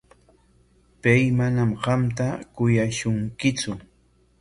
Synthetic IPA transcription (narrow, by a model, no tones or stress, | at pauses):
pajmanamɢɑmt̪akʊjaʃʊŋkɪt͡sʊ